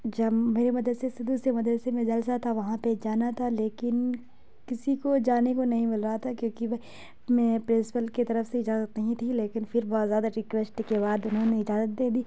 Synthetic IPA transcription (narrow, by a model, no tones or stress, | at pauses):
d͡ʒɐmeːɾemɐd̪ɾsesɪd̪usemɐd̪ɾəsemẽd͡ʒɐls̬at̪ʰaʋɐɦãped͡ʒaːnat̪ʰaleːkɪn | kɪsikod͡ʒaːnekonɐɦĩmɪlɾɐɦat̪ʰakjõːkiʋ | mɛ̃ːpɾɪ̃nsɪ̥pəlket̪ɐɾəfseɪd͡ʒaːzət̪nɐɦĩt̪ʰileːkɪnfʰɪɾbɔːt̪zjaːd̪aɾɪkʋɛsʈkebaːd̪ʊnɦõneɪd͡ʒaːzət̪̚d̪eːd̪iː